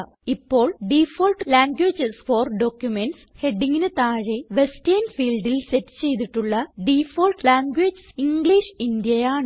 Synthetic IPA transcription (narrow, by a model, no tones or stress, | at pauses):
ipːo̞ːɭɖifoːlʈlaːŋɡweːd͡ʑɨsfoːrɖo̞ːkːjumenʈshe̞ɖːiŋɡinɨt̪aːɻeʋe̞stɐnfiːlɖilsetːɨ̥t͡ɕe̞jt̪̬iʈːuɭːɐɖifoːlʈlaːŋɡʋeːd͡ʑɨsiŋɡɭiʂindjɐjaːɳɨ